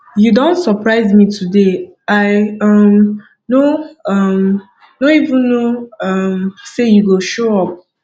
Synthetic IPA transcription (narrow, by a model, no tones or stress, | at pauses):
judõntsəpʰɹaɪzmitʰudeaɪʌm | noʌm | noivũnːoʌmsejuɡoʃoɔp̚